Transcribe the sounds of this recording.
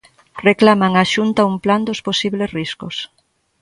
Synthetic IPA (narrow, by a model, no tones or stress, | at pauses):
reklamaŋaʃunt̪aumpland̪osposiβlesriskʊs